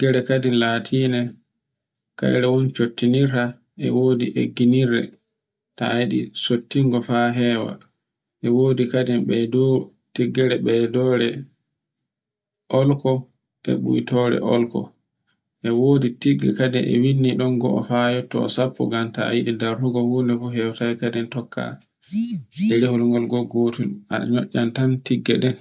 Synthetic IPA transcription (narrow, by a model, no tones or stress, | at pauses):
ɡ̥ɛɾɛkadinlaːtʰiːnɛ | ka̰jɾɛwɔnt͡ʃotːiniɾta | ʔɛ̰woːdiʔeɡːiniɾːɛ̰ | taːjiɗisotːiŋɡɔfaɦɛwa̰ | ʔɛwoːdikadɛmɓɛdɔ | tiɡːɛɾɛɓɛdɔːɾɛ | ʔɔlkɔ | ʔɛ̰ɓṵjtɔɾɛ̰ʔɔlkɔ̰ | ʔɛwoːditiɡːɛ̰kadɛnʔɛ̰winːiɗɔnɡɔʔɔ̰fajɔtːɔ̰ːsapːɔ̰ɡamtajiɗidaɾhuɡɔhundɛfuɦɛwatajkadɛntɔkʰːa̰ | ɛɾehulŋɡɔlɡɔɡoːtulaɲɔʔːantantiɡːɛɗɛn